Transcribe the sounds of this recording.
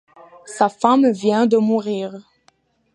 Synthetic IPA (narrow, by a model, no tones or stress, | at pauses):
safamvjɛ̃d̪əmuʁiːʁ